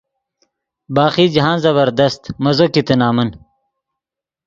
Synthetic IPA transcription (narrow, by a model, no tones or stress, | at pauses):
baːχiːd͡ʑɦãːnzɐβɐɾd̪ɐst̪mɐzokit̪ɐnaːmɐn